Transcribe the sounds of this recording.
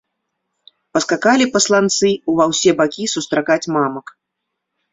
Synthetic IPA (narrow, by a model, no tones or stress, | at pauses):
pɐskakalʲipɐslˠant̪sɨuvawsʲɛbakʲisust̪ɾakat͡sʲmamɐk